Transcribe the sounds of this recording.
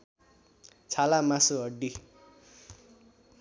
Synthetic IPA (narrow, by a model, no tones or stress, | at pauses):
t͡sʰalamasuɦʌɖːi